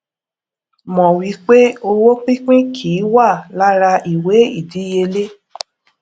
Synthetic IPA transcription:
mɔ̃˨wi˨˦k͡pe˦o˧wo˦k͡pĩ˦k͡pĩ˦kʰiː˨˦wa˦˨la˦ɾa˧i˨we˨˦i˦˨di˨˦je˧le˦

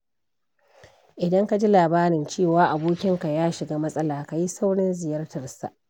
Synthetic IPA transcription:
ʔɪ˨dɐ˦ŋka˨d͡ʒi˦laː˨baː˦ɽɪ˨nt͡ʃeː˦˨waː˦ʔa˨boː˦kʲɪ˦ŋka˨jaː˦ʃɪ˨ɡaː˦mɐ˦sʼɐ˦laː˨ka˨ji˦sa˦wɽɪ˦nzɪ˨jɐ˦rtɐ˨rsa̰˨ʔ

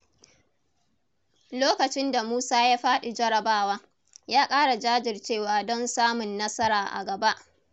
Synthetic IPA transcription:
loː˦kɐ˨t͡ʃɪ˦nda˨muː˦saː˦ja˦ɸaː˦ɗɪ˨d͡ʒɐ˦ɽɐ˨baː˦waː˦ | jaː˦kʼaː˦ɽa˨d͡ʒaː˦d͡ʒɪ˨rt͡ʃeː˦˨waː˦dɔ˦nsaː˦mʊ˨nːɐ˦sɐ˦ɾaː˨ʔa̰˨ɡɐ˨ba˦ʔ

